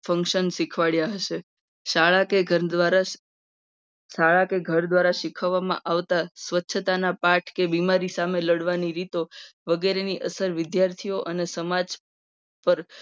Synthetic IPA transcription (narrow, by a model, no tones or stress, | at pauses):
fə̃ŋkʃənʃikʰʋaɭjaɦəʃe | ʃaɭakeɡəd̪ʋaɾa | ʃaɭakeɡʱəɾd̪ʋaɾaʃikʰəʋːamã̰ʔaʋt̪asʋətːʃʰət̪anapaʈʰkebimaɾisameləɽʋaniɾit̪oʋəɡeɾeniʔəsəɾʋɪd̪jaɾt̪ʰioʔənesəmad͡ʒ | pəɾ